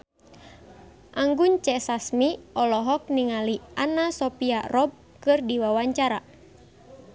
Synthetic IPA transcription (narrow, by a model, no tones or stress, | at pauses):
ʔaŋɡuɲt͡ʃɛsasmiɔlɔɦɔk̚niŋalianasɔpiaʔrɔb̚ | kɨrdiwawaɲt͡ʃaɾa